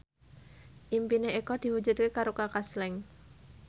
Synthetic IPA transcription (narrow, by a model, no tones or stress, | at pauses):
ʔimpineekɔd̪̥i̤hu̥d͡ʒut̪̚kekaɾokakaslɛŋ